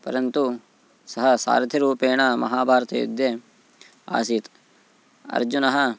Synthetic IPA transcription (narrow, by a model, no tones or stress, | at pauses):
pɐɾɐnt̪u | sɐɦɐsa̰ːɾd̪ʱjɐɾuːpeːɳɐmɐɦaːbʱaːɾɐt̪ḛːjṵd̪je | a̰ːsiːt̪ | ɐ̰ɾd͡ʒunɐɦɐ